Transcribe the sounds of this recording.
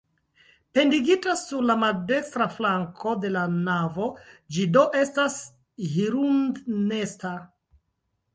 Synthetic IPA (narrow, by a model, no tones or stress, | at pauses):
pe̞ndiɡitasuɾlamalde̞kstɾaflaŋkʰo̞de̞lanavo̞d͡ʒido̞ʔe̞stas | hiɾundne̞sta